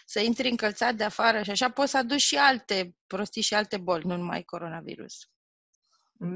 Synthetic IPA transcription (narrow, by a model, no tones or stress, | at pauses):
səint̪ɾʲiɨŋkəlt̪sat̪̚d̪eafaɾəʃiaʃapo̞t̪səad̪ut͡ʃʃialt̪e̞pɾo̞st̪iʃialt̪e̞bo̞lʲnunuma̰jko̞ɾo̞navḭɾṵs